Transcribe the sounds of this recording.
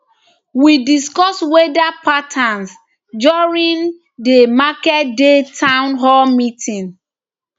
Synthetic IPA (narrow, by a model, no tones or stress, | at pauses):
widiskɔswedapatʰãns | d͡ʒɔɹĩn | demakɛt̚detʰãʊnɦɔlmitʰĩn